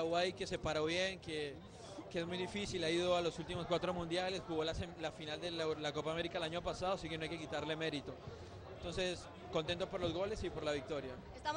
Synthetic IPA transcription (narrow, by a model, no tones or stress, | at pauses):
lawajke̞se̞paɾo̞βje̞ŋke | keezmujd̪ifisilaiðo̞alosult̪imoskwat̪ɾo̞mũnd̪jale̞sxuɣo̞laselafinald̪elako̞paːme̞ɾikalaɲo̞pasaðosikenoajke̞kit̪aɾle̞me̞ɾit̪o̞ | ent̪o̞nse̞s | ko̞nt̪e̞nt̪opo̞ɾlo̞zɣo̞le̞sipo̞ɾlaβik̚t̪o̞ɾja | a